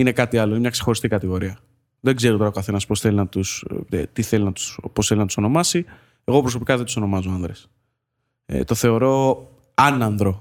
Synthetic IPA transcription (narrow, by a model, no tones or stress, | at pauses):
ine̞kɐt̪iɐloinemɲɐkse̞xo̞ɾist̪ikɐt̪iɣo̞ɾiɐ | ðe̞ɡze̞ɾot̪o̞ɾɐokɐθe̞nɐspo̞sθelinɐt̪ust̪iθe̞linɐt̪u̥sposθelinɐt̪uso̞no̞mɐsi | e̞ɣo̞pɾo̞so̞pikɐðet̪u̥so̞no̞mɐzoɐnðɾes | t̪o̞θe̞o̞ɾo̞ | ɐnɐnðɾo̞